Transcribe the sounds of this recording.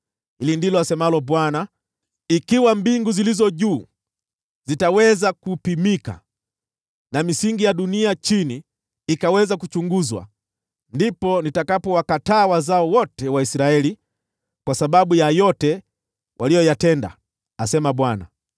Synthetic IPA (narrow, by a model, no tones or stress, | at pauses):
hilindilɔasɛmalɔɓwana | ikiwambiŋɡuzilizɔʄuː | zitawɛzakupimika̰ | namisiŋɡijaɗuniat͡ʃiniː | kawɛzakut͡ʃuŋɡuzwa̰ | ndipɔnitakapɔwakataːwazaɔwɔtɛwaisɾaɛli | kwasaɓaɓujajɔtɛ | wʔalijɔjatɛnda̰ | asɛmaɓwana̰